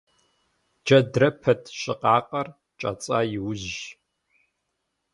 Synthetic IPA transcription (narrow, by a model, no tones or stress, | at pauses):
d͡ʒɐdrɐpʰɐtʰɕʼɪqʼɑːqʼɐr | t͡ʃʼɐ̰t͡sʼaːjɪwʊʑ